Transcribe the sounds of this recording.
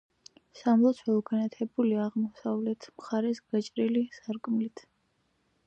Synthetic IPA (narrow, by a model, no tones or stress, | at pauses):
samlˠɔt̪sʰwɛukʰanat̪ʰɛbuliaʁmɔsavlɛt̪ʰmχaɾɛsɡ̥at͡ʃʼɾilisaɾkʼmlit̪ʰ